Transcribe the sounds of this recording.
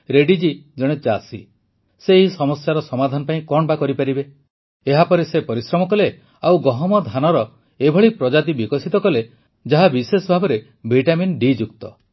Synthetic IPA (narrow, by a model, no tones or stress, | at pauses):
ɾeɖid͡ʒid͡ʒɔɽ̃et͡ʃasi | seɦisɔmɔsjaɾɔsɔmad̪ʱanɔpaĩkɔɽ̃bakɔɾipaɾibe | eɦapɔɾesepɔɾisɾɔmɔkɔle | awɡɔɦɔmɔd̪ʱanɔɾɔ | ebʱɔɭipɾɔd͡ʒat̪ibikɔsit̪ɔkɔle | d͡ʒaɦabisesɔbʱabɔɾe | bʱiʈaminɖid͡ʒukt̪ɔ̰